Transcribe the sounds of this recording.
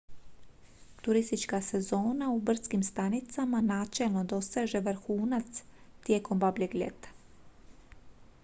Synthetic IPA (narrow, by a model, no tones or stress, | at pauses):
t̪uɾist̪it͡ʃkase̞zo̞ːnaubr̩skimst̪anit̪samanaːt͡ʃelˠno̞d̪o̞seʒeʋɾxuːnat̪st̪je̞ːko̞mbabʎeɡʎʲḛt̪ḁ